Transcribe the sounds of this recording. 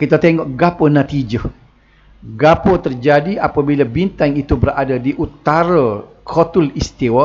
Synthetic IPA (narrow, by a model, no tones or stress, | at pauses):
kit̪at̪ɛŋɔʔɡapənat̪id͡ʒə | ɡapət̪ərd͡ʒadiʔapabilabint̪aŋit̪ubəɾadadiʔut̪aɾə | kʰot̪ulist̪iwa